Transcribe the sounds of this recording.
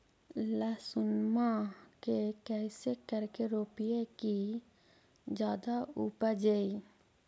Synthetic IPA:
laːsʊnmakekɛːsekəɾkeɾoːpijeki | d͡ʒjaːd̪aupəd͡ʒei

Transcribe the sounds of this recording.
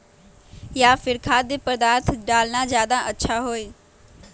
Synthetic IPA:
jafɪɾkʰaːd̪ɪpɐɾd̪aːt̪ʰɖaːlnazjaːd̪aʔɐtːɕʰaɦoːeː

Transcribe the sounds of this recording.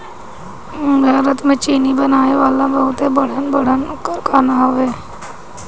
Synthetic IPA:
dʱaːɾət̪mẽt͡ʃiːnibənaːeʋaːlãbəɦʊt̪ebəɽ̤ənbəɽ̤ənʊkːəɾkaːnaɦoʋeː

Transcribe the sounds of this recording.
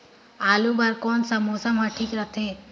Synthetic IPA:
aːlubaɾkɔnsamosamɦaʈʰikɾət̪ʰe

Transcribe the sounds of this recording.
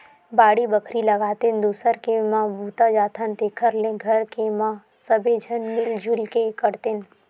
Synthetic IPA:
baːɽibɐkʰɾilɐɡaːt̪end̪uːsəɾkemãːbʱuːt̪ad͡ʒaːt̪ʰant̪ekʰəɾlẽɡʱɐɾkemã | sɐbed͡ʒʱənmɪld͡ʒʱʊlkekɐɾt̪en

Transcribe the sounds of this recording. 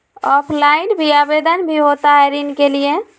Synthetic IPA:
ɔpʰlainbʱiabed̪ənbʱiɦot̪aɾinkelije

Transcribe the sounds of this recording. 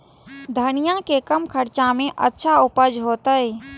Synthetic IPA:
d̪ʱənijãkekəmkʰəɾt͡ʃãmẽʔə̰tːʃʰaʊpəd͡ʒɦoːt̪əj

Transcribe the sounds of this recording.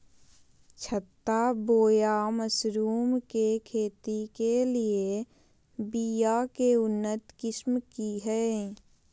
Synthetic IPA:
t͡ʃʰət̪ːaboːjaməsɾuːmkekʰeːt̪ikelie | bijakeʊnːət̪kɪsmkiɦɛ

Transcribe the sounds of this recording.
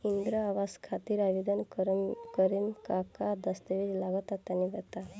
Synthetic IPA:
ind̪ɾəaʋaskʰat̪iːɾaʋid̪ənɾkəɾinkakad̪əst̪əʋiɾlaɡɔt̪at̪janːid̪ɛt̪a

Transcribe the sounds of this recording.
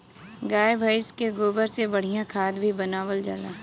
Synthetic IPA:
ɡaːebʱaɪskeɡoːbəɾsebɐɽ̤ijãkʰaːd̪bʱibənaːʋəld͡ʒa̰ːla̰ː

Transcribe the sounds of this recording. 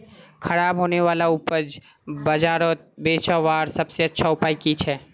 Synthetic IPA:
kʰɐɾaːbɦoːneʋaːlauːpəd͡ʒ | bɐd͡ʒaːɾɔt̪̚beːt͡ʃaːʋaːɾsɐbseɐtːʃʰaʊpaːikit͡ʃʰɛː

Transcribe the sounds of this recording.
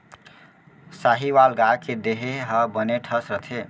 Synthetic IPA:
saɦiwalɡaked̪eɦeɦəbəneʈʰəsɾət̪ʰe

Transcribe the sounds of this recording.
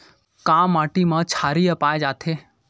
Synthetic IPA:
kamːaʈimãt͡ʃʰaɾiəpaed͡ʒaːt̪ʰe

